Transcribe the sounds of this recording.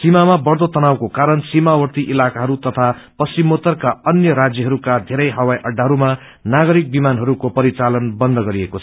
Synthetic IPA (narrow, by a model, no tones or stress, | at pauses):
simamabʌrd̪ot̪ʌnawkokaɾʌnsimawʌrt̪iʔilakaɦʌɾut̪ʌt̪ʰapʌst͡simot̪ʌrkaʌnjʌɾad͡zjʌɦʌɾukad̪ʱeɾʌjɦʌwajʔʌɖːaɦʌɾuma | naɡʌɾik̚bimanɦʌɾukopʌɾit͡salʌnbʌnd̪ʱʌɡʌɾiekot͡sʰʌ